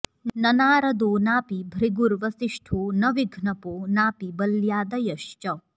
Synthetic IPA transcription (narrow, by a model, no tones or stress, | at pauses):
nɐnaːɾɐd̪oːnaːpibʱɾiɡuɾʋɐsiʂʈʰoːnɐʋiɡʱnɐpoːnaːpibɐljaːd̪ɐjɐʃt͡ʃɐ